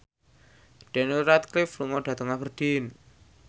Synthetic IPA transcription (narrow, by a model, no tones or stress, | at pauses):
ɖ̥ɛ̤nilɾat̪̚klɪfluŋɔɖ̥ä̤t̪əŋab̥ərd̥in